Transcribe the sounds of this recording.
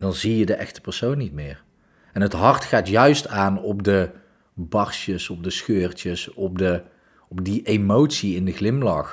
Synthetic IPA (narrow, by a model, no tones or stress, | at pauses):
dɑnzijədəʔɛ̰xtə̥pəɹsownːit̚mɪːɹ | ɛnɦətɦɑɹtxaːtjœɥstaːnɔp̚də | bɑɹʃəsɔp̚dəsxøːɹt͡ʃəsɔp̚də | ɔp̚diʔemowtsiɪndəɣlɪmlɑx